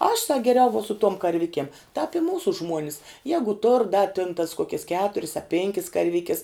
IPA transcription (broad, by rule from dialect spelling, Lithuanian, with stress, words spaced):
ɐʃ sɐk ɡʲɛˈrʲɛʊ ʋuɔ sʊ tuɔm kɐrʲˈʋʲɪkʲiɛm tɑːp ɪ ˈmuːsʊ ˈʒmuɔnʲɪs ˈjæːɡʊ tʊr dɐ tʲɪn tɐs ˈkoːkʲɛs ˈkʲæːtʊrʲɪs ɐ ˈpʲɛŋʲkʲɪs kɐrʲˈʋʲɪkʲɪs